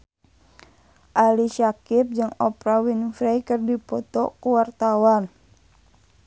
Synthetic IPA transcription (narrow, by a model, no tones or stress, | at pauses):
ʔaliʃakip̚d͡ʒɨŋɔpɾawinfɾɛjkɨrdipɔt̪ɔkuwart̪awan